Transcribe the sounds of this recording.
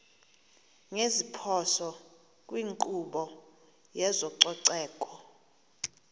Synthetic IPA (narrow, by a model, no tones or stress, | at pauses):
ŋezipʰɔsɔ | kʼwiŋkʼuɓɔ | jɛzɔǀɔǀɛːkʼɔ